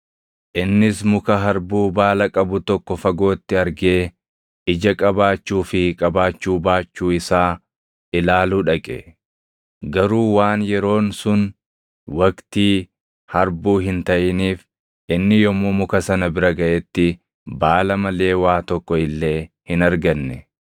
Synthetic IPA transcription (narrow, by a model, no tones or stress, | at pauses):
ʔɪnːɪsmʊkɐɦɐɾbuːbaːlɐkʼɐbʊt̪ɔkːɔfɐɡo̞ːt̪ːɪɐɾɡeː | ʔɪd͡ʒɐkʼɐbaːt͡ʃːuːfɪkʼɐbaːt͡ʃːuːbaːt͡ʃːuːɪsaː | ʔɪlaːluːᶑɐkʼɛ̰ | ɡɐɾuːwaːnjɛɾo̞ːnsʊn | wɐkt̪iː | hɐɾbuːɦɪnt̪ɐʔɪniːf | ʔɪnːɪjɔmumʊkɐsɐnɐbɪɾɐɡɐʔɛt̪ːɪ | baːlɐmɐle̞ːwaːt̪ɔkːɔɪlːe̞ːhɪnɐɾɡɐnːɛ